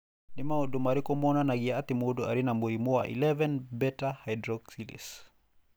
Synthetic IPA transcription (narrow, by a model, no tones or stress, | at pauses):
nimaɔdumaɾikɔmɔnanaɡiaat̪imodɔaɾinamɔimuwa̰ʔḭlɛvɛnbɛtahajdɾɔksilḭs